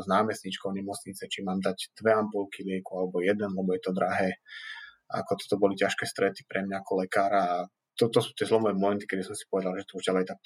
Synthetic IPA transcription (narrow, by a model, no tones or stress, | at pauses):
znaːmɛst̪ɲit͡ʃkɔʊɲɛmɔt͡sɲit͡sɛt͡ʃimaːmd̪aɟd̪̥ʋɛampulkilɪɛkualɛbɔjɛd̪ɛnlɛbɔjɛt̪ɔd̪ɾaɦɛː | a̰kɔt̪ɔ̥t̪ɔbɔlicaʃkɛst̪ɾɛt̪i̥pɾɛmɲaakɔlɛkaːɾaː | t̪ɔt̪ɔsu̥ːt̪ɪɛzlɔmɔʋɛmɔmɛnt̪ikɛd̪isɔmsi̥pɔʋɛd̪alˠʒɛt̪ɔuʒɟalɛjt̪ak̚